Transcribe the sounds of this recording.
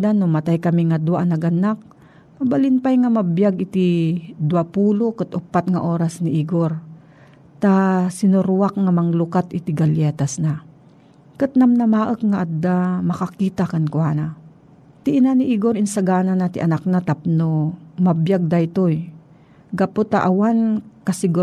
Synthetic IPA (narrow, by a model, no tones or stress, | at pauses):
d̪anːomɐt̪ajkɐmiŋad̪waʔnɐɡʔanak̚ | mɐbalɪnpajŋamɐbjaɡɪt̪id̪wapuːlokɨt̪ʔʊpːat̪̚ŋaʔoːɾasnɪʔiɡoɾ | t̪asɪnʊɾwakŋamɐŋlʊkat̪ʔɪt̪ɪɡɐljɛːt̪asna | kɨt̪̚namnɐmaːʔəkŋaʔad̪ːamɐkakiːt̪akɐnkwaːna | t̪ɪʔɪnaniʔiɡoɾɪnsaɡaːnanat̪ɪʔɐnak̚nat̪ap̚nomɐbjaɡ̚d̪ajt̪oj | ɡɐpot̪a̰ʔawankɐsɪɡu